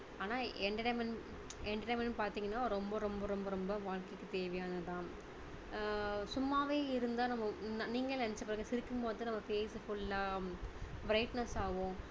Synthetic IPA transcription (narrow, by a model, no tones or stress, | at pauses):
aːnaːɛɳɖɐʈɐːmɐn | ɛɳɖʈɐmɛnnpaːɾt̪iːŋɡɐnːaːɾɾɔmbɐɾɔmbɐɾɔmbɐɾɔmbɐʋaːɻkɐɪkːɯt̪eːʋɐjaːnɐt̪ãː | sʊmːaːʋeːɪɾɯnd̪aːnɐmːɐniːŋɡɐɭnɐnɪt͡ʃːɐpːɐɾɐŋɡɐsɪɾɪkːɯmpoːðɯnɐmːɐfeːsfʊɭːaː | bɾɐɪʈnɐsaːɣʊ̃ː